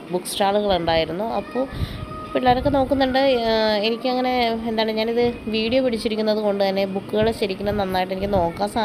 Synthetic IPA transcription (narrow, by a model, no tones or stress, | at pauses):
bukːsʈaːɭuɣɐɭuɳɖaːjiɾunːuɐpːoːipːoelːaːɾo̞kːe̞no̞ːkːunːuɳɖɨenikʲːɨɐŋːɐne̞end̪aːɳeɲaːniðɨʋiːɽijopiɽit͡ɕːiɾikʲːunːɐðɨko̞ɳɖɨt̪ɐnːe̞bukːuɣɐɭeɕɐɾikʲːunɐnɐnːaːjʈːe̞nikʲːɨno̞ːkːaːsaː